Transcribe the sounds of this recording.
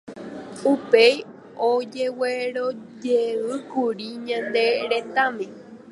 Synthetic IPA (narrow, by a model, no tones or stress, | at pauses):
upej | od͡ʒeweɾod͡ʒeʋɨkuɾiɲãnd̪e̞ɾet̪amẽ